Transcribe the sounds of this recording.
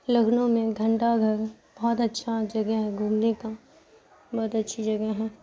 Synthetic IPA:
ləɡnõmẽɡʱɐ̃ɳʈaɡʱɐɾ | b̥ɔːt̪ɐtːʃʰad͡ʒɐɡəɦɛɡʱũːmneka | bɔːt̪ɐtːʃʰid͡ʒɐɡəɦɛː

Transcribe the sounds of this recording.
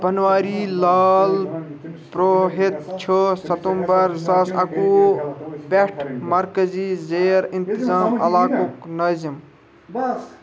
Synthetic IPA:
bɐnʋaːɾilaːl | pɾoːɦet̪t͡ʃʰosɐt̪ombɐɾsasɐku | beʈʰmɐɾkəzizeːɾint̪izaːmɐlaːkuknɐːzim

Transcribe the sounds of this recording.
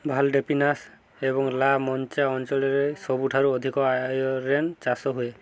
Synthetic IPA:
bʱalɖepinas | ebɔŋlamɔnt͡ʃaɔnt͡ʃɔlɔɾesɔbuʈʰaɾuɔd̪ʱikɔajɔɾent͡ʃasɔɦuje

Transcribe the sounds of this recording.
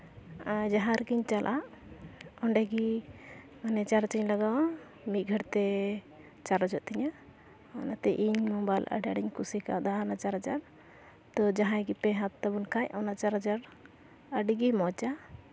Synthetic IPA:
ad͡ʒaɦãɾkiɲt͡ʃalʔaʔ | ɔɳɖɛɡi | manɛt͡ʃaɾt͡ʃiɲlaɡaw | mit̪̚ˀɡʱəʈt̪ɛ | t͡ʃaɾad͡ʒɔʔt̪iɲa | ɔnat̪ɛʔiɲmɔbajlʔə̰ɖaɽiɲkusika̰d̪aɦanat͡ʃaɾɦad͡ʒaɾ | t̪ɔd͡ʒaɦãjɡipɛɦat̪ːabunkʰajanat͡ʃaɾɦad͡ʒaɾ | əɖiɡimɔt͡ʃa

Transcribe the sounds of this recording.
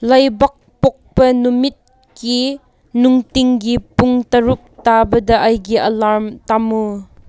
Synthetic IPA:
lɐjbɐk̚pok̚pɐnumit̚ | ki | nuŋtiŋɡipuŋtɐɾup̚tabɐdɐʔajɡiʔɐlaɾmtamu

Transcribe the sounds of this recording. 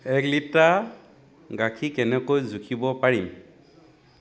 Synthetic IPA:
ɛklita | ɡakʰikɛnɛkojzukʰibɔpaɹim

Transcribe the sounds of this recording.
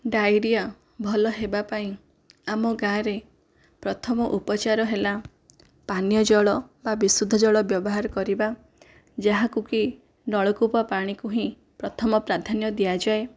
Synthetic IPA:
ɖajɾija | bʱɔlɔɦebapaĩ | amɔɡãɾe | pɾɔt̪ʰɔmɔʔupɔt͡ʃaɾɔɦela | panjɔd͡ʒɔɭɔbabisud̪ʱːɔd͡ʒɔɭɔbjɔbɔɦaɾɔkɔɾiba | d͡ʒaɦakuki | nɔɭɔkupɔpaɽ̃ikuɦĩ | pɾɔt̪ʰɔmɔpɾad̪ʱanjɔd̪iad͡ʒae

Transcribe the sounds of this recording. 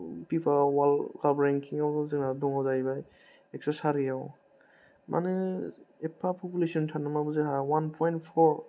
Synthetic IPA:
pipʰawalkalbɾɛŋkʰiŋawzɯŋnadɔŋawzajba | ɛk̚sasaɾijaw | mʔa̰nɯepʰapʰɔpulesiɔntʰanamabɯzɯɦawanpʰɔjntpʰɔɾ

